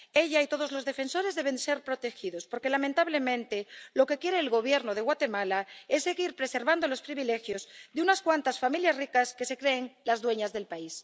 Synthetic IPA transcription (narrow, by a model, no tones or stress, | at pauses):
e̞ʎait̪o̞ðo̞zlo̞zðe̞fe̞nso̞ɾe̞zðe̞β̞e̞nse̞ɾpɾo̞t̪e̞xiðo̞spo̞ɾke̞lamẽnt̪aβle̞mẽ̞nt̪elo̞ke̞kjeɾe̞ːlɣo̞β̞je̞ɾnoð̞eɣwat̪emalaesːe̞ɣiɾpɾe̞se̞ɾβand̪o̞lo̞spɾiβile̞xjo̞zðeunaskwant̪asfamiljasrikaske̞se̞kɾe̞ːŋlazðwe̞ɲazðe̞lpais